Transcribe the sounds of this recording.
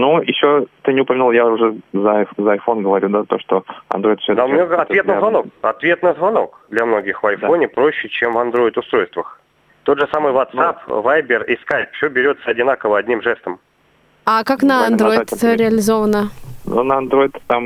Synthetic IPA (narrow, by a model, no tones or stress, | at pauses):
nujɪɕːot̪ɨnʲɪʊpəmʲɪnulˠjaʊʐɛzəfzəɐjfo̞nɡəvɐɾʲud̪at̪o̞ʂt̪oɐ̰nd̪ɾo̞ɪt̪fsʲod̪amnʲoɡəɐt̪vʲet̪nəvɐno̞kɐ̰t̪vʲe̞t̪nəzvɐno̞kd̪lʲɐmno̞ɡʲɪxvɐjfo̞nʲɪpɾo̞ɕːɪt͡ɕemvɐnd̪ɾo̞ɪt̪ʊst̪ɾo̞jst̪vəx | t̪o̞d̪ʐɨsamɨjvɐt̪sapvajbʲɪrɪskajpfsʲobʲɪɾʲo̞t̪səɐdʲɪnakəvəɐdʲnʲimʐɛst̪əm | akaknəɐnd̪ɾo̞jɪt̪ɾʲɪɐlʲɪzo̞vənənṵnəɐnd̪ɾo̞ɪt̪t̪am